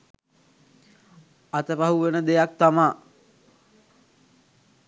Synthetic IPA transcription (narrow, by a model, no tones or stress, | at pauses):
at̪əpaɦuʋenəd̪ejak̚t̪amaː